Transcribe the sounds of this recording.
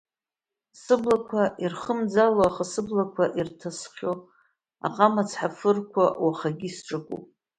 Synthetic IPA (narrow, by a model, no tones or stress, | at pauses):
sɨblakʷʰaʔirχəmd͡zaloaχasɨblakʷʰaʔirtʰasχʲo | a̰qʼamat͡sʰħafɨrkʷʰawaχaɡʲisʈ͡ʂʼakʷʼṵpʼ